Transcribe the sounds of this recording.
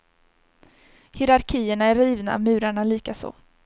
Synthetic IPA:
hɪɾaɾkʰiːəɳaæɾiːvna̰mʉ̟ːɾaɳaliːkaso̰ː

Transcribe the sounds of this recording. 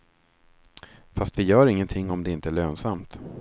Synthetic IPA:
fast̪vɪjœːɾɪŋːənt̪ʰɪŋːɔmd̪ɛɪnt̪əæɭøːnsamt̪

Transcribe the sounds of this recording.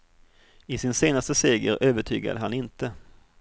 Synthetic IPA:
ɪsɪnseːnast̪əseːɡəɾʔøːvəʈʰy̰ːɡa̰d̪əɦanɪnt̪ə

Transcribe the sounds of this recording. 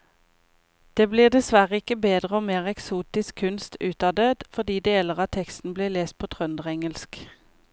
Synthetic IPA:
d̪̥eːbliːʁd̪ɛsʋæʁəɪkəbeːd̪ʁəoːmeːʁɛksuːt̪ɪskʰʉnst̪ʉːt̪ɑːd̪øːd̪̥fɔʁd̪iːd̪eːɛləʁɑːt̪ʰɛkst̪n̩bliːleːst̪̚pʰoːt̪ʰʁœnd̪əʁɛŋəlsk

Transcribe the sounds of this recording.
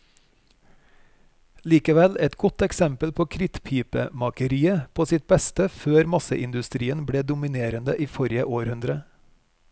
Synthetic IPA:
liːkəʋɛlɛt̪ɡɔt̪ɛksɛmpəlpʰoːkʰɾɪt̪pʰiːpəmɑkəɾiːəpʰoːsɪt̪̚bɛst̪əføːɾmɑsə̰ʔɪnd̪ʉst̪ɾiːənbɽeːd̪ʊmɪneːɾənd̪əʔiːfɔɾɪəʔoːɾhʉnd̪ɾə

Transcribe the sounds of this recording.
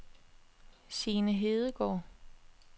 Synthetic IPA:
siːnəɦe̝ːð̞ˠəɡ̥ɒ̰ː

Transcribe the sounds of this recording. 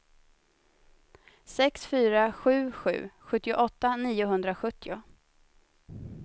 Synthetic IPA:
sɛksfyːɾaɧʉ̟ːɧʉ̟̰ːɧɵt̪ːɪʊʔɔt̪ːaniːʊɦɵnd̪ɾaɧɵt̪ʰːɪʊ

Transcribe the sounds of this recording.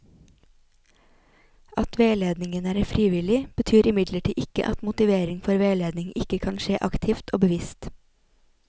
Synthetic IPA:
ɑt̪ʋeːleːd̪nɪŋənæːɾfɾiːʋɪlɪb̥ət̪ʰyːɾɪmɪd̪ləʈʰiːʔɪkə̰ʔɑt̪mʊt̪ɪʋeːɾɪŋfɔɾʋeːleːd̪nɪŋɪkəkʰɑnʃeːʔɑkt̪ʰɪft̪ʰo̰ːbəʋɪst̪

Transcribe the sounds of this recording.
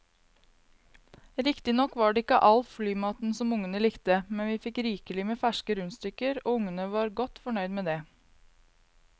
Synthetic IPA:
ɾɪkt̪ɪnɔkʋɑːɖeːɪkə̰ʔɑlflyːmɑːt̪n̩sɔmʊŋənəlɪkt̪əmɛnʋiːfɪkɾiːkəlɪmeːfæʃkəɾʉnst̪ʏkəɾoːʊŋənəʋɑːɾɡɔt̪fɔɳœʏd̪meːd̪eː

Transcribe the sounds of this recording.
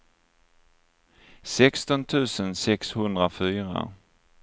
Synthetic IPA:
sɛkst̪ɔnt̪ʰʉ̟ːsənsɛkshɵnd̪ɾafyːɾa̰

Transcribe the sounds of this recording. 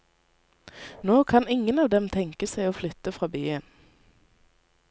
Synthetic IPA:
noːkʰɑnɪŋənɑːʋd̪ɛmt̪ʰɛŋkəsæɪoːflʏt̪əfʁɑːbyːən

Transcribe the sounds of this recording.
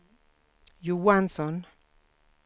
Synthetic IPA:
juwanson

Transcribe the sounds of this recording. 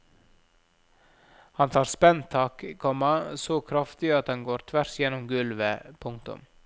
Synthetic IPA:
hɑnt̪ʰɑːɾspɛnt̪ʰɑːkkʰɔmɑsoːkʰɾɑft̪ɪɑt̪ɑŋɡoːɾt̪ʰʋæɾsjɛnʊmɡʉlʋəpʰʊŋk̚t̪ʊ̰m

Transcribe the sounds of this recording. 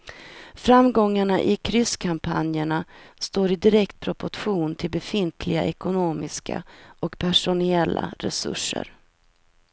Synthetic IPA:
fɾamːɡɔŋːaɳaʔɪkʰɾʏskʰampʰa̰njəɳast̪oːɾɪd̪ɪɾɛkt̪̚pʰɾɔpʊʈɧuːnt̪ʰɪlbɛfɪnt̪ʰlɪɡaʔɛkʊnoːmɪska̰ʔɔkpʰæʂʊnɪɛlːa̰ɾɛ̰sɵ̰ʂːə̰ɾ

